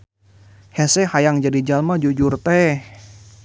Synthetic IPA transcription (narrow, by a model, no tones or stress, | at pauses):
hɛsɛhajaŋd͡ʒadid͡ʒalmad͡ʒud͡ʒurt̪ɛ